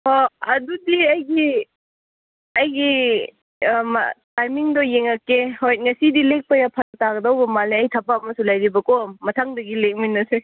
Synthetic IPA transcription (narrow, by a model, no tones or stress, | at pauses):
hoɐdudiɐjɡi | ɐjɡi | tajmiŋdɔjeŋɐkːehojt̚ŋɐsidilek̚pɐjapʰanɐtaɡɐdawbɐmaleɐjtʰɐpːaːmɐsulajɾibɐkɔmːɐtʰaŋdɐɡilek̚minːɐse